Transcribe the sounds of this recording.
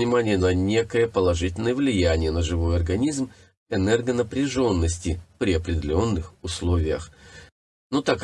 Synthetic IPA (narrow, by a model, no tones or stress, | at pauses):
nʲɪmanʲɪjənɐnʲe̞kəjəpəlˠɐʐɨtʲɪlʲnəjəvlʲɪjænʲɪjənəʐɨvo̞jɐrɡɐnʲizm | ɛnɛrɡənəpɾʲɪʐo̞nːəsʲtʲɪpɾʲɪɐpɾʲɪdʲɪlʲo̞nːɨxʊslˠovʲɪjəx | nut̪ak